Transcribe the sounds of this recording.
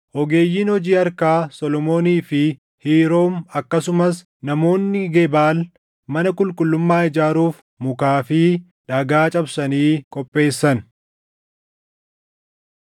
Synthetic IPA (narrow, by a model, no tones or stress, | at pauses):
ʔɔɡe̞ːjːiːnhɔd͡ʒiːɐɾkaːsɔlɔmo̞ːniːfɪ | hiːɾoːmɐkːɐsʊmɐs | nɐmo̞ːnːɪɡɛbaːl | mɐnɐkʼʊlkʼʊlːʊmːaːɪd͡ʒaːɾuːf | mʊkaːfɪ | ᶑɐɡaːt͡ʃʼɐbsɐniːkʼɔpʼːe̞ːsːɐn